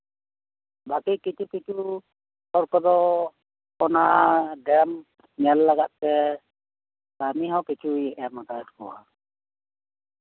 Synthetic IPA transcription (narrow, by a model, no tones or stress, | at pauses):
bakikit͡ʃʰukit͡ʃʰu | ɔɾkɔd̪ɔ | ɔnaʔɖɛm | ɲɛlːaɡat̪̚tɛ | t̪amiɦãwkit͡ʃʰuiɛʔamat̪aɛtkɔ̰wa̰